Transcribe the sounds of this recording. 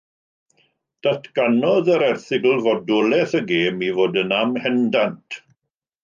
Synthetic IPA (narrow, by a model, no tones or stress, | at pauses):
d̥atʰɡ̥anɔðəɾɛrθɪɡəlˠvɔdʊlɛθəɡeːmivoːdənamhɛndantʰ